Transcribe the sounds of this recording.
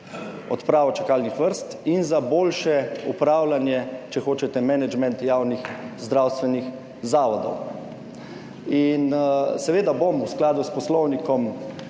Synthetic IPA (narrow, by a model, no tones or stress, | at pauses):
ɔ̰t̪pɾaːʋɔt͡ʃakaːlnixʋəɾst̪inzaboːlʃɛupɾawlanjɛt͡ʃɛxoːt͡ʃɛt̪ɛmɛnɛd͡ʒmɛnt̪jaːwnixzd̪ɾawst̪ʋɛnix | zaːʋɔd̪ɔ̰w | insɛʋeːd̪abomwsklaːd̪uspɔslɔwnikɔm